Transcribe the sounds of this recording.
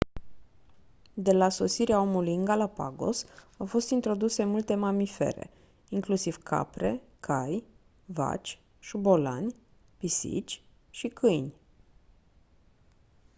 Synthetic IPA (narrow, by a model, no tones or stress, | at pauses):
d̪e̞laso̞siɾeao̞mulujɨŋɡalapa̰ɡo̞̰sawfo̞st̪int̪ɾo̞d̪use̞mult̪e̞mamife̞̰ɾe̞̰ | iŋklusiv̥kʰa̰pɾe̞kʰaj | va̰t͡ʃʲ | ʃubo̞la̰nʲ | pisḭt͡ʃʲ | ʃikʰɨjnʲ